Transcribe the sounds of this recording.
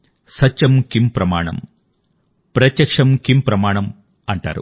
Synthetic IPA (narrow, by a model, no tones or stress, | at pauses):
sɐtt͡ʃɐmkimpɾɐmaːɳɐ̰m | pɾɐt̪jɐkʂɐmkimpɾɐmaːɳɐm | ɐɳʈa̰ːɾṵ